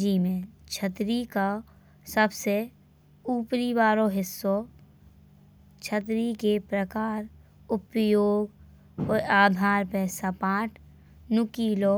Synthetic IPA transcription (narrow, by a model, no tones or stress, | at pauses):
d͡ʒiːmẽt͡ʃʰət̪ɾika | səbse | uːpɾibaːɾoɦɪsːo | t͡ʃʰət̪ɾikepɾəkaːɾ | ʊpjoːɡ | oaːd̪ʱaːɾpɛːsapãːʈʰ | nʊkiːlo